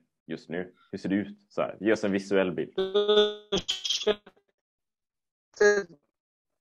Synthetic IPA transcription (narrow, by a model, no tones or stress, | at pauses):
jɵst̪nʉ̟ː | hɵʂeːɖɛʉ̟ːt̪sɔhæ̰ːɾjeːɾɔsɛnvɪsʉɛlːbɪ̰ld̪